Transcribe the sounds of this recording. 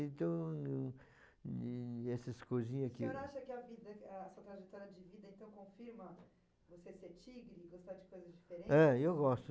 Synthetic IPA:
ẽt̪ɐ̃w̃ | ɛsɐskojzĩɲɐskɪ̃aʃɐkɪɐvid̪ɐːsuɐt̪ɾɐʒet̪ɔɾiɐd͡ʒɪvid̪ɐẽnt̪ɐ̃w̃kõfiɾmɐ | voseseɾt͡ʃiɡɾɪɡost̪ad͡ʒɪkojzɐzd͡ʒifeɾẽɛewɡɔst̪

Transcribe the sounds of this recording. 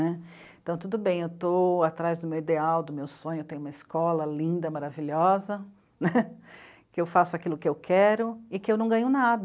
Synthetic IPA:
ɛ | ẽt̪ɐ̃w̃t̪ud̪ʊbẽj̃ewt̪oat̪ɾajzd̪ʊmewid̪eawd̪ʊmewsõɲʊewt̪ẽɲ̃ũmɐiskɔlɐlĩnd̪ɐmaɾaviʎɔzɐ | nɛ | kɪewfasʊakilʊkɪewkʰɛɾʊɪkɪewnɐ̃w̃ɡɐ̃ɲʊnad̪

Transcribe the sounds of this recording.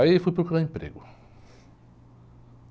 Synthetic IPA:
aifujpɾɔkuɾaẽpɾḛɡʊ

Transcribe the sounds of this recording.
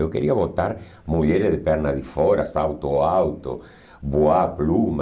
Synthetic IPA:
ewkeɾiaβot̪aɾ | muʎɛɾeðepɛɾnaðifɔɾasawt̪oawt̪o̰ | boaplum

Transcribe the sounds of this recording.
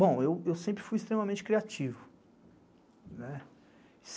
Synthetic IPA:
bõw̃ewewsẽpɾɪfujist̪ɾẽmɐmẽnt͡ʃɪkɾiat͡ʃivʊ | nɛ | s

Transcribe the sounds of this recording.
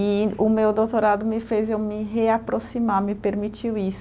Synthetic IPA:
iʊmewd̪owt̪oɾad̪ʊmɪfezewmɪɦeapɾosimamɪpeɾmit͡ʃiwis

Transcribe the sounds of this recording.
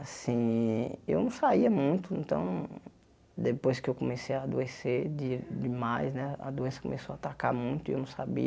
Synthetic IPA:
asĩewnɐ̃w̃saiɐmũj̃t̪ʊẽnt̪ɐ̰̃w̃ | d̪epojskɪewkomesejaːd̪ueseɾd͡ʒ̪ɪd͡ʒɪmajsnɛɐ̰d̪oẽsɐko̰mesoaːt̪aka̰ɾmũj̃t̪ʊewnɐ̃w̃sabḭɐ

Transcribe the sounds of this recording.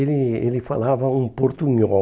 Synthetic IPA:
elielifa̰laːvaumpoɾt̪uɲɔ

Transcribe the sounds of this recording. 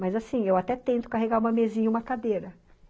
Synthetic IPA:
mɐjzasĩewat̪ɛt̪ẽnt̪ʊ̥kaɦeɡaɾũmɐmezĩɲɐũmɐkad̪eɾɐ

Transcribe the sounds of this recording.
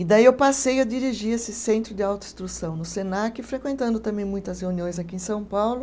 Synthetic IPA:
ɪd̪aiewwpasejɐd͡ʒ̪iɾiʒiɾesɪsẽnt̪ɾʊd̪ɪawt̪ʊĩst̪ɾusɐ̃w̃nʊsenakɪfɾekwẽnt̪ɐ̃nd̪ʊt̪ɐ̃mbẽj̃mũj̃t̪ɐsheũniõj̃zakiẽj̃sɐ̃w̃pawlʊ

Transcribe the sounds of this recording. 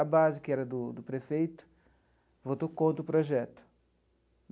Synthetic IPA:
ɐbazɪkɪɛɾɐd̪ʊd̪ʊpɾefejt̪ʊ̥ | vot̪okõnt̪ɾʊpɾoʒɛt̪ʊ̥

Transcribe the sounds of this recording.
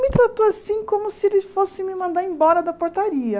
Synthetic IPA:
mɪt̪ɾat̪oasĩkõmʊsɪelɪfosɪmɪmɐ̃nd̪aɾẽbɔɾɐd̪ɐpoɾt̪aɾiɐ

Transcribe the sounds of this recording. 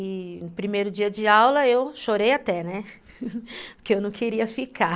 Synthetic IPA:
ɪʊ̃pɾimejɾʊd͡ʒiɐd͡ʒɪawlɐewʃoɾejat̪ɛnɛ | pʊɾkeewnɐ̃w̃keɾiɐfika

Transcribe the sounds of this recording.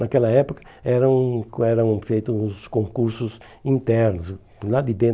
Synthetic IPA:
nɐkɛlɐɛpokɐ̥ɛɾɐ̃w̃ɛɾɐ̃w̃fejt̪uuskõŋkuɾsʊs | ĩnt̪ɛɾnʊs | lad̪id̪ẽ

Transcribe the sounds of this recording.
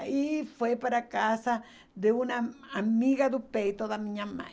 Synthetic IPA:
ifwepaɾakasa | d̪eunaamiɣad̪upeit̪oðamĩɲãmã̰

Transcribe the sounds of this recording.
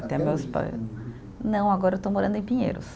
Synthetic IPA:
t̪ɛmewspa̰j | nɐ̃w̃aɡɔɾɐewt̪omoɾɐ̃nd̪ʊẽj̃pĩɲḛɾʊ̰s

